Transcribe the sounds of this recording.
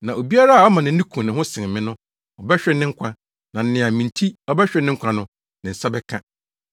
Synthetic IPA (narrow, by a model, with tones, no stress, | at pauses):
nã˨o˨bi˦a˦ɾa˦a˨ɔ˦mã˨nɪ̃˨n̩˦ĩ˦kʰũ˨nɪ̃˨ɦʊ̃˦sɪ̃˨ŋ˨mɪ̃˦nʊ̃˦ | ɔ˨bɛ˦ɕᶣɾɛ˨˦nɪ̃˦ŋ̩˦kʷʰã˦ | nã˨n̩˦nɪ̃˨a˨mĩ˨n˨tʰi˦ɔ˦bɛ˦ɕᶣɾɛ˨nɪ̃˦ŋ̩˦kʷʰã˨nʊ̃˦ | nɪ̃˨sa˦bɛ˦kʰã̰˦